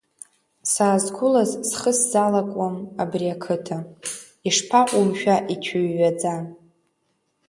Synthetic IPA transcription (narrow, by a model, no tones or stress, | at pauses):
saːzkʷʰʊlazsχəszalakʷʼamabriakʰɨtʰa | iʂpʰaʔʷʼumʃᶣaʔit͡ʃʰʊɥːad͡za